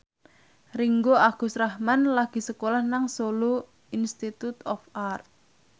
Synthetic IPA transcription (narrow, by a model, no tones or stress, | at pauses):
riŋɡoaɡ̥ṳsrahmanlaɡ̥i̤səkolahnaŋsolu | inst̪it̪ut̪ɔfart̪̚